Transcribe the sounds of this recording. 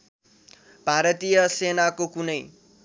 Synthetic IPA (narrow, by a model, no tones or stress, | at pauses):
bʱaɾʌt̪ijʌsenakokunʌj